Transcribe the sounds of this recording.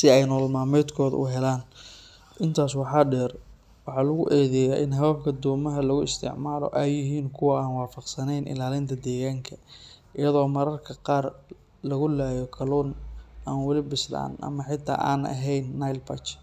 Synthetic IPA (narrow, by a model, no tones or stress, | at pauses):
sɪɛjnɔːlmaːmɛd̪kʰɔːðɐ̰ʔʊ̰ɦɛlaːn | ʔɪnt̪ʰaːswɑħɑːɖɛːr | wɑħɑːlɐɣʊʔɛːðɛjaːʔɪ̰nɦɐwɐbkʰɐd̪ɔːmɐɦɐlɐɣʊɪst̪ʰɪ̰ʕmaːlɔ̰ʔɛjɪɦiːnkʰʊwɐaːnwɑːfɑqsɐnɛjnʔɪ̰laːlɪnt̪ʰɐd̪ɛːɣaːŋkʰɐʔɪjɐðɔːmɐɾɐrkʰɐqɑːr | lɐɣʊlaːjɔkʰɐlɔːnaːnwɐlɪbɪsla̰ːnʔɐ̰mɐħɪt̪ʰːa̰ːʔa̰ːnɐ̰ɦɛjnːajlpɐt͡ʃ